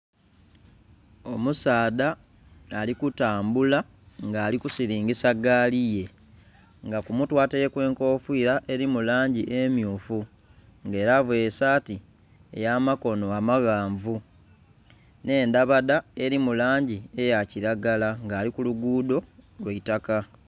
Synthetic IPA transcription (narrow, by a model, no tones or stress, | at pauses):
o̞musaːdaː | likutaːmbula | ŋɡaːlikusiɾiːŋɡisaɡaːlije̞ | ŋɡakumutwaːtejekwe̞ːŋko̞ːfwiːɾaʔe̞ɾimulaːɲɟiʔemjuːfu | ŋɡe̞ːɾavwesaːti | ḛjaːmako̞no̞amaɣaːɱvu | ne̞ːndaβadae̞ɾimulaːɲɟie̞jaciɾaɡalaŋɡaːlikuluɡuːdo̞lweitaka